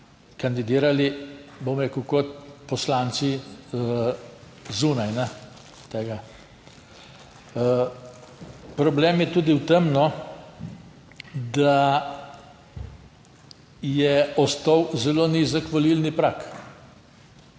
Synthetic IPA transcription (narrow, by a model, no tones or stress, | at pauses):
kand̪id̪iːɾalibomɾɛkuwkot̪̚pɔslaːnsi | zuːnajnɛ | t̪eːɡa | pɾɔbleːmjɛt̪uːd̪iwt̪əmnɔ | d̪a | jɛɔst̪ɔwzɛloːnizəkʋɔlilnipɾak